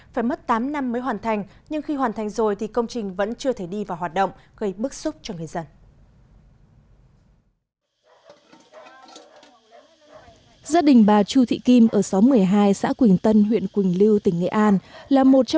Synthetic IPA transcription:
faː˧˩jmə˦˥t̚t̪aː˨˦mna˧mːəː˨˦jɦwaː˨˩nt̪ʰa˨˩jŋ̟ɲɨ˧ŋxi˧hwaː˨˩nt̪ʰa˨˩jŋ̟zo˨˩jt̪ʰi˨˩kə˧wŋ͡mt͡ɕï˨˩ŋ̟və̰˧˥nt͡ɕɨ˧ət̪ʰe˧˩ɗi˧vaː˨˩waː˨˩t̚ɗə̰˧˨wŋ͡mɣə˧jɓɨ˦˥k̚sʊ˦˥p̚t͡ɕɔ˧ŋɨ˨˩əjzə˧n | zaː˧ɗï˨˩ŋ̟ɓaː˨˩t͡ɕu˧t̪ʰḭ˧˨ki˧mʔəː˧˩sa˨˦wmɨ˨˩əjɦaː˧jsa̰ː˧˥kwi˨˩ŋt̪ə˧nɦwḭ˧˨ənkwï˨˩ŋ̟li˧wt̪ï˧˩ŋ̟ŋḛ˧˨ʔaː˧nlaː˨˩mo˨˩t̚t͡ɕɔ˧

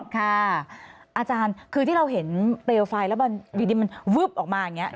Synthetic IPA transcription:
kʰa˥˩ | ʔaː˧t͡ɕaː˧nkʰɯː˧t̪ʰi˥˩ɾa˧wɦe˩˦npɾeː˧wfaː˧jlɛ˦˥wba˧nwiː˨˩diː˧ma˧nwɯ˦˥p̚ʔɔː˨˩k̚maː˧ja˨˩ŋːi˦˥ɐʔ

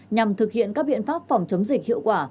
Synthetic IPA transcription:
ɲa˨˩mt̪ʰɨ˨˩k̚hḭ˧˨ənkaː˦˥k̚ɓḭ˧˨ənfaː˦˥p̚fɔ˨˩wŋ͡mt͡ɕə˨˦wŋ͡mzï˨˩k̚hḭ˧˨wkwaː˧˩

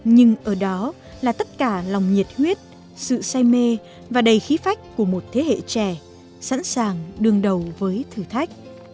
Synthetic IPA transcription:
ɲɨ˧ŋʔəː˧˩ɗɔ˨˦ | laː˨˩t̪ə˦˥t̚kaː˧˩la˨˩wŋ͡mɲi˨˩t̚hwi˦˥ət̚ | sɨ̰˧˨saː˧jme˧ | vaː˨˩ɗə˨˩jxi˨˦fa˦˥jk̟̚ku˧˩əmo˨˩t̚t̪ʰe˨˦hḛ˧˨t͡ɕɛ˧˩ | sa̰˧˥nsaː˨˩ŋɗɨ˨˩əŋɗə˨˩wvəː˨˦jt̪ʰɨ˧˩t̪ʰa˦˥jk̟̚

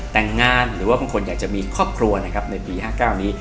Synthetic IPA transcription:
t̪ɛː˨˩ŋːaː˧˩nɾɯː˩˦waː˥˩baː˧ŋkʰo˧njaː˨˩k̚t͡ɕa˨˩miː˧kʰɾɔː˥˩p̚kʰɾu˧ɐna˦˥kʰa˦˥p̚na˧jpiː˧ɦaː˥˩kaː˥˩wniː˦˥

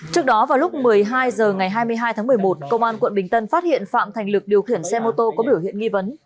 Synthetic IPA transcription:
t͡ɕɨ˦˥ək̚ɗɔ˨˦vaː˨˩wlʊ˦˥k͡p̚mɨ˨˩əjɦaː˧jzəː˨˩ŋa˨˩jɦaː˧jmɨ˧əjɦaː˧jt̪ʰaː˨˦m˨˩əjmo˨˩t̚kə˧wŋ͡mʔaː˧nkwə̰˧˨nɓï˨˩ŋ̟t̪ə˧nfaː˦˥t̚hḭ˧˨ənfa̰ː˧˨mt̪ʰŋ̟lɨ˨˩k̚ɗi˨˩əwxi˧˩ənsɛ˧mo˧t̪o˧kɔ˨˦ɓi˧˩əwhḭ˧˨ənŋi˧və˨˦n

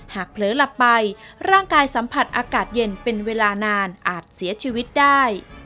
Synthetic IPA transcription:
haː˨˩k̚pʰlɤː˩˦la˨˩pːa˧jɾaː˥˩ŋkaː˧jsa˩˦mpʰa˨˩t̪̚ʔaː˧kaː˨˩t̪̚je˧npe˧nweː˧laː˧naː˧nʔaː˨˩t̪̚si˩˦ɐt͡ɕʰiː˧wi˦˥t̪̚daː˥˩j

